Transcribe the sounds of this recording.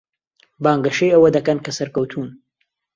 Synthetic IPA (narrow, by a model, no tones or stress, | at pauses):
baːŋɡɐʃejɐwɐd̪ɐkɐnkɐsɐɾkɐwt̪ʰuːn